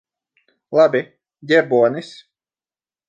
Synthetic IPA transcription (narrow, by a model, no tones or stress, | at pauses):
lˠabʲi | ɟʲɛbuɔnis